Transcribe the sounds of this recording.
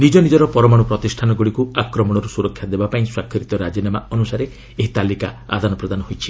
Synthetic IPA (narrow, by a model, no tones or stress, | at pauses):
nid͡ʒɔnid͡ʒɔɾɔpɔɾɔmaɽupɾɔt̪isʈʰanɔɡuɽikuakɾɔmɔɽ̃ɔɾusuɾɔkʰːjad̪ebapaĩswakʰːiɾit̪ɔɾad͡ʒinamaɔnusaɾe | eɦit̪alika̰a̰d̪ʱanɔpɾɔd̪anɔɦojt͡ʃʰi̥